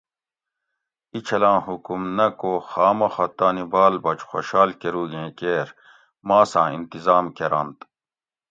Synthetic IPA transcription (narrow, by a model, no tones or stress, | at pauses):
it͡ɕʰɐlãːhukumnɐkoːxaːmɐxɐt̪aːnibaːlbɐt͡ʃxo̰ɕaːlkeɾuːɡẽːkeːɾ | mãːsãːḭnt̪izaːmkeɾa̰nt̪